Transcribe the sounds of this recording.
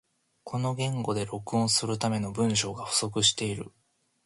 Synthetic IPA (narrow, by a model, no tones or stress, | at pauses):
kʰo̞no̞ɡẽ̞ŋɡo̞d̪e̞ɾo̞kɯ̟õ̞ɰ̃sɨɾɯ̟t̪ame̞no̞bɯ̟̃ɰ̃ɕo̞ːɡaɸɯ̟̥so̞k̬ɯ̟ɕi̥t̪e̞iɾɯ̟̰